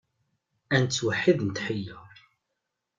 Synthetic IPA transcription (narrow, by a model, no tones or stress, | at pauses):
ænt͡sːwəħːiðnət̪ħəjːə